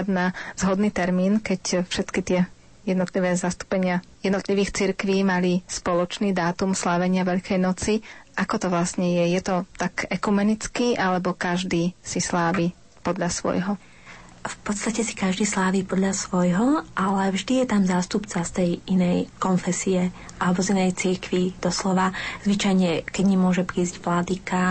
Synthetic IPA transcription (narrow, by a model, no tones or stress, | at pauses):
d̪naz̥ɦɔd̪niːt̪ɛɾmiːnkɛcfʃɛt̪kit̪ɪɛ | jɛd̪nɔt̪liʋɛːzast̪u̥pɛɲɪajɛd̪nɔt̪liʋiːxt͡siɾkʋiːmalispɔlɔt͡ʃniːd̪aːt̪umslaːʋɛɲɪaʋɛʎkʰɛjnɔt͡siʔakɔt̪ɔʋlasɲɛjɛjɛt̪ɔt̪akɛkumɛnit͡skiːʔalɛbɔkaʒd̪iːsislaːʋiː | pɔd̪ʎasʋɔ̰jɦɔ | fpɔt̪st̪acɛsi̥kaʒd̪iːslaːʋiːpɔd̪ʎasʋɔjɦɔʔalɛvʒd̪ijɛt̪amzaːst̪upt͡sast̪ɛjinɛjkɔnfɛsiɛ | ʔalɛbɔzinɛjt͡siɾkʋid̪̥ɔslɔʋaz̥ʋit͡ʃajɲɛkɛɟɲɛmʊɔʒɛpɾiːzɟʋlad̪ika